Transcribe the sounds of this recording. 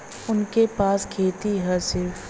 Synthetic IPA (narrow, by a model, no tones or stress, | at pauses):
ʊnkepaːskʰeːt̪iɦɛsɪɾf